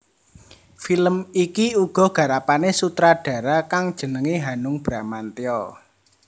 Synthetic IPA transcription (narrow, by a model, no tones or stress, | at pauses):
filəmikiuɡ̥ɔ̤ɡ̥ä̤ɾapanesut̪ɾaɖ̥ä̤ɾakaŋd̥ʒ̥ə̤nəŋiɦanʊŋb̥ɾamant̪eɔ